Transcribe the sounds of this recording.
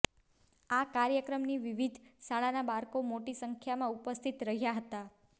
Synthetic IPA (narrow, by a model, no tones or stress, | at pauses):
akaɾjəkɾəmniʋiʋid̪ʱsaɭanabaɾkomoʈisəŋkʰjamãupəst̪ʰit̪ɾəɦjaɦət̪a